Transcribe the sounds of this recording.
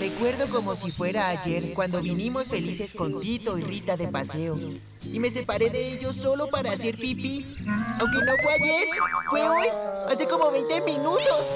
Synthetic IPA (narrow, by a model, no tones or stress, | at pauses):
re̞kwe̞ɾðo̞ko̞mo̞sifwe̞ɾaːʝe̞ɾkwand̪o̞βinimo̞sfe̞lise̞sko̞nt̪it̪o̞irit̪aðepase̞o̞ | ime̞se̞paɾe̞ðe̞eʝo̞so̞lo̞paɾaːse̞ɾpipiawŋke̞no̞fweaʝe̞ɾfweojaseko̞mo̞βe̞jnt̪emĩnut̪o̞s